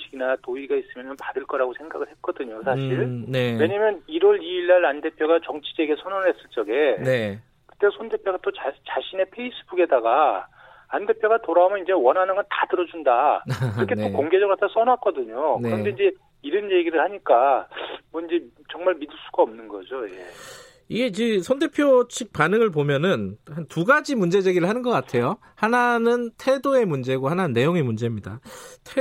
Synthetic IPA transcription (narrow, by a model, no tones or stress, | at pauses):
ɕʰiɡinatoiɡais͈ɯmjʌnɯnpaɾɯɭk͈ʌɾaɡosʰe̞ŋɡaɡɯɭhe̞t̚k͈ʌdɯɲosʰaɕʰiɭnewe̞ɲamjʌniɾwʌɾiiɭːaɾande̞pʰjoɡat͡ɕʌŋt͡ɕʰi̥d͡ʑeɡesʰonʌnɯɭhe̞s͈ɯɭt͡ɕ͈ʌɡe̞ne | kɯ̥t͈esʰonde̞pʰjoɡat͈ot͡ɕat͡ɕaɕʰine̞pʰe̞is͈ɯbuɡe̞daɡa | ande̞pʰjoɡatoɾaumjʌnind͡ʑe̞wʌnɦanɯnɡʌntatɯɾʌd͡ʑundakɯɾʌkʰe̞okoŋɡe̞d͡ʑʌɡɯɭatʰas͈ʌnwak͈ʌdɯɲoknɯeɾʌnde̞ind͡ʑe̞ | iɾɯnje̞ɡiɾɯɭhaɲik͈amʌind͡ʑe̞ | t͡ɕʌŋmaɭmidɯɭs͈uɡaʌmnɯnɡʌ̰d͡ʑoje̞̰ | iɡe̞id͡ʑesʰʌntʰe̞pʰjot͡ɕʰik̚panɯŋɯɭp̬omjʌnɯnhantuɡad͡ʑimund͡ʑe̞d͡ʑe̞ɡiɾɯɭhanɯnɡʌk͈atʰe̞jo | hananɯntʰe̞doe̞mund͡ʑe̞ɡohananɯnːe̞joŋemund͡ʑe̞mɲida̰tʰe